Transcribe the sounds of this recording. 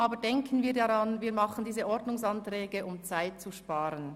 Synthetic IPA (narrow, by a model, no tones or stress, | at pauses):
ʔɑːbəɾdɛŋkʰən̩viːɾdaʁɑnviːɾmɑχən̩diːzəʔɔɾdnʊŋsɑntʁ̥ɛːɡəʊmt͡saɪt̚t͡suʃpɑːɾən